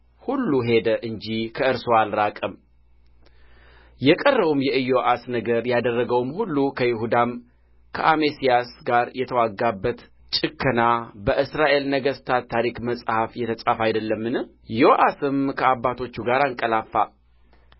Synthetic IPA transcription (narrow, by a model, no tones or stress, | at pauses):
hulːuɦe̞d̪əʔɨɲd͡ʒikʰəɨɾsoalɾakʼəm | jɛkʼərːəβumjɛɨjoʔasnəɡəɾjad̪ərːəɡəwmhulːukʰəjɪɦud̪am | kʰə̰ʔamesijasɡaɾjɛt̪ʰəwaɡːabːət̪ | t͡ʃʼɨkʰːənabəʔɨsɾaʔe̞lnəɡəst̪ʰat̪ʰːaɾikməsʼhafjɛt̪ʰəsʼafajd̪əlːəmːɨnɨ | joʔasɨmkʰəabːat̪ʰo̞t͡ʃːuɡaɾaŋkʼəlafːa